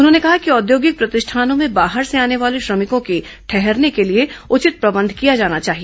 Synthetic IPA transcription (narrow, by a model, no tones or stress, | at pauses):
ʊnɦõnekɐɦakiɔːd̪joːɡɪk̚pɾɐt̪ɪʃʈʰaːnõmẽbaːɦəɾseaːneʋaːleʃɾɐmɪkõke | ʈʰɛɦɛɾnekelieʊt͡ʃɪt̪̚pɾɐbə̃nd̪ʱkijad͡ʒaːnat͡ʃaːɦieː